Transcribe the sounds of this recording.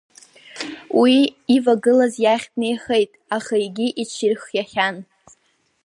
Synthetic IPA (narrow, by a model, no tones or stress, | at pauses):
wiivaɡɨlazjaχʲtʰʼne̞jχe̞jtʼaχajɡʲiʔit͡ʃʰirχjaχʲan